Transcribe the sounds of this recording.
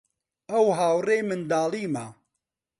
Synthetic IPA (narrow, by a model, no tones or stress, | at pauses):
ɐwɦaːwreːmɨnd̪aːliːma